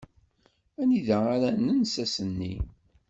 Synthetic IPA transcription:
æniðæaɾænənsæsənːḭ

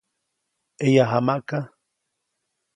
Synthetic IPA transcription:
ejaɦamaʔka

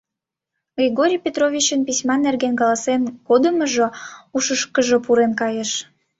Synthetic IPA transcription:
ɡrʲiɣoɾʲijpʲet̪rovʲit͡ɕənpisʲmɑnːerɣenkɑlɑsenkod̪əməʒouʃəʃkəʒopuɾenkɑjeʃ

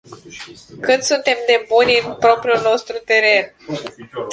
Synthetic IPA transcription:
kɨt̪sunt̪e̞md̪e̞bunʲɨnpɾo̞pɾiulno̞st̪ɾut̪e̞ɾe̞n

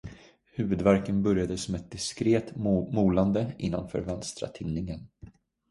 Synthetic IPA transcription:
hʉ̟ːvɵd̪væɾkənbœɾjad̪əsɔmɛt̪̚d̪ɪskɾeːt̪muːland̪əʔɪnːɔmfœ̰ɾvɛnst̪ɾa̰t̪ʰɪnːɪŋən

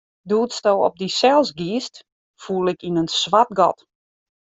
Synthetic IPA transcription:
duːtstowɔ̰p̚disɛlˠsɡiːst | fuəlˠɪkinənsʋat̚ɡɔ̰t

